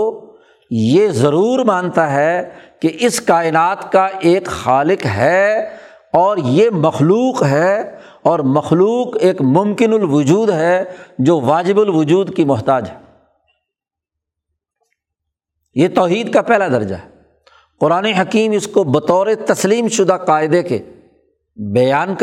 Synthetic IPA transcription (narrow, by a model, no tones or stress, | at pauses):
jezɐɾuːɾmãːnt̪aɦɛkeʔɪskaːɪnaːt̪kaʔeːkxaːlɪqɦɛː | ɔːɾjemɐxluːqɦɛ | ɔːɾmɐxluːqeːkmʊ̃mkɪnʊlʋʊd͡ʒuːd̪ɦɛd͡ʒoːʋaːd͡ʒɪbʊlʋʊd͡ʒuːd̪kimʊɦt̪aːd͡ʒɦɛ | jet̪ɔːɦiːd̪̚kapɛɦlad̪ɐɾd͡ʒa̰ɦɛ | qʊɾaːneɦɐkiːmɪskobɐt̪ɔːɾet̪ɐsliːmʃʊd̪aqaːɪd̪ekḛ | bɐjaːnk